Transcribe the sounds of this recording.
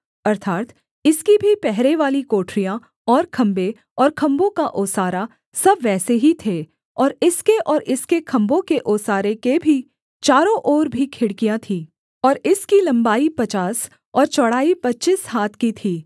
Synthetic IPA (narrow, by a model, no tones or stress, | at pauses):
ɐɾt̪ʰaːt̪ | ɪskibʱipɛɦɾeʋaːlikoːʈʰɾijã | ɔːɾkʰɐ̃mbe | ɔːɾkʰɐ̃mbõkaʔoːsaːɾa | sɐbʋɛːseɦit̪ʰeː | ɔːɾɪskeʔɔːɾɪskekʰɐ̃mbõkeʔoːsaːɾekebʱi | t͡ʃaːɾõʔɔːɾbʱikʰɪɽkijãt̪ʰiː | ɔːɾɪskilɐ̃mbaːipɐt͡ʃaːs | ɔːɾt͡ʃɔɽaːipɐtːt͡ʃishaːt̪ʰkit̪ʰiː